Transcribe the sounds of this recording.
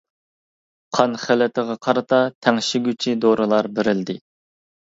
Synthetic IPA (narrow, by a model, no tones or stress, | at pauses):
qʰɑnχælɪt̪ʰɪʁɑqʰɑɾɨt̪ʰɑt̪ʰɛŋʃɪɡʲyt͡ʃʰid̪oɾɨlˠɑɾbɪɾɪld̪ɪ